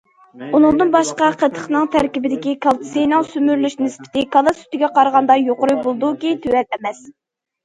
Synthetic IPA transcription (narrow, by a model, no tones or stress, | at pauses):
unɨŋd̪ɨnbɑʃqɑqʰət̪ʰːə̥χnɨŋt̪ʰæɾkʲibɪd̪ɪkʲikʰɑlˠt̪ʰɨ̥sɨjnɨŋsymyɾlyʃnɪspʰɪ̥t̪ɪkʰɑlˠɑsy̥t̪ɪɡʲɛqɑɾʁɑnd̪ɑjoqʊɾujbolˠd̪ukʲit̪ʰywɛt̪ɛmɛs